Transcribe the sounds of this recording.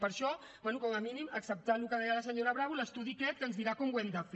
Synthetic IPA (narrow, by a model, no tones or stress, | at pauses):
pəɾʃɔ | bbwɛnukɔməminiməksəp̚t̪anlukəðɛjələs̬əɲoɾəβɾaβuləst̪uðikɛt̪̚kənzðiɾakɔmwɛmd̪əf